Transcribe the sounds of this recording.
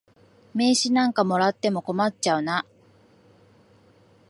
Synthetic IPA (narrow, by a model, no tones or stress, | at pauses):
me̞ːɕinãŋkamo̞ɾat̪ːe̞mo̞ko̞mat͡ɕt͡ɕaɯ̟na